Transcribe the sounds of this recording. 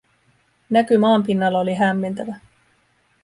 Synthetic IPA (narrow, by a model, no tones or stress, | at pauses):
nækymɑːmpinːɑlːɑoliɦæmːe̞nt̪æʋæ